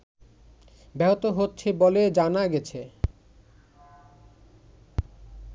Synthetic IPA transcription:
bɛɦot̪oɦotːɕʰeboled͡ʑanaɡɛt͡ɕʰe

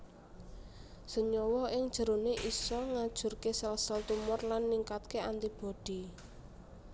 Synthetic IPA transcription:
səɲɔwɔɪŋd̥ʒ̥ə̤ɾoneʔisɔŋad̥ʒ̥ṳrkesalsəlt̪umʊrlanːiŋkat̪̚keant̪ib̥ɔ̤d̥i

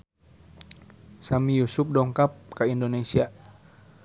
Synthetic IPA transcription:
samijusup̚dɔŋkap̚kaindonesia

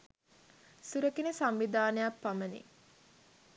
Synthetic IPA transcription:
suɾəkinesamʋid̪ʱaːnəjapːamənḭ

